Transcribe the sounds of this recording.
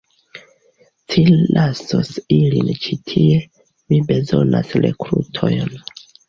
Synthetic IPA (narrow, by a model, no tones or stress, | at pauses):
tʰilʔaso̰silint͡ʃitʰie̞ | mibe̞zo̞̰na̰sɾe̞̰kɾutʰo̞jn